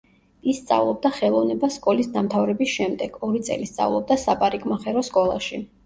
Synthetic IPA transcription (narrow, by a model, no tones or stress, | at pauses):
isːt̪sʼa̰vlˠɔb̚d̪aχɛlˠɔvnɛbaskʼɔlisd̪amt̪ʰavɾɛbisʃɛmd̪ɛɡ̥ɔɾit̪sʼɛ̰list̪sʼa̰vlˠɔb̚d̪asapʼaɾikʼmaχɛɾɔskʼɔlˠa̰ʃi